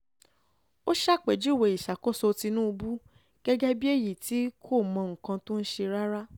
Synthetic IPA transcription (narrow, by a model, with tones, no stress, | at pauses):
o˦ʃa˦˨k͡pɛ˨d͡ʒu˦˨we˨i˨ʃa˨ko˦so˧ti˧nũ˦u˧bu˦ | ɡ̥ɛ˦ɡɛ˦bi˦e˦˨ji˨ti˨˦kʰo˦˨mɔ̃˧ŋ̩˨kã˧tũ˦n̩˦ʃe˧ɾa˦ɾa˦